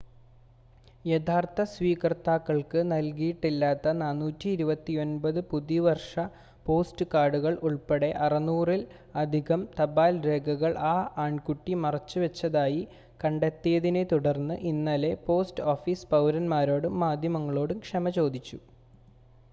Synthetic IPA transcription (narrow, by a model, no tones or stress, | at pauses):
jet̪ʰaːrt̪ɐsʋiːkrɐt̪ːaːkːɐɭkɨnɐlkijiʈːilːaːt̪ːɐnaːnːuːtːiːɾubɐt̪ːio̞nbɐðɨpuðiʋɐrʂɐ | po̞ːstɨkaːɽuɣɐɭʔuɭpeɽe̞ʔɐrɐnuːril | ɐd̪ʱiɣɐmt̪ɐbaːlɾe̞ːɡʱɐɣɐɭʔaːʔaːɳkuʈːimɐrɐt͡ɕːɨʋɐt͡ɕːɐðaːji | kɐɳɖet̪ːijɐðine̞t̪uɽɐrnːɨʔinːaːle̞po̞ːsʈoːfiːspɐwɾɐnmaːɾo̞ːɽumːaːd̪ʱjɐmɐŋːɐɭoːɽumkʂɐmɐt͡ɕo̞ːd̪ʱit͡ɕːu